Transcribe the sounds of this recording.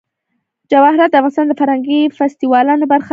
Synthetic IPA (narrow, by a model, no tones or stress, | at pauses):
d͡ʒawɑhɾat̪̚d̪əafɣɑnɪst̪ɑnd̪əfaɾhaŋɡifast̪iwɑlɑnobaɾxa